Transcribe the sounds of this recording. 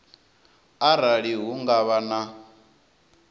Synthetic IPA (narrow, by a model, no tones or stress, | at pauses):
aɾaɺiɦuŋɡaβana